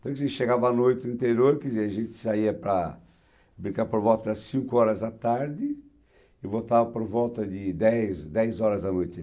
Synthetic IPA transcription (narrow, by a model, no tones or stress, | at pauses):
t̪ɐ̃kzẽʃeɡavɐːnojt̪ɪĩnt̪eɾjoɾkɪziɐʒẽnt̪ɪ̥saiɐpɾɐ | bɾĩkaɾpoɾvɔwt̪ɐd̪ɐsĩŋkʊɔɾɐzɐt̪aɾd̪ɪ | ɪvot̪avɐpoɾvɔwt̪ɐd̪ɪd̪ɛjsd̪ɛjzɔɾɐzd̪ɐnojt̪ɪ